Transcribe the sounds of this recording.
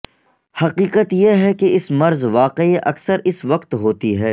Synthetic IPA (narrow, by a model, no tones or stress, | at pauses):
hɐqiːqət̪jeɦɛkeɪsmɐɾzʋaːqeiʔɐ̰ksəɾʔɪsʋɐqt̪ɦoːt̪iɦɛː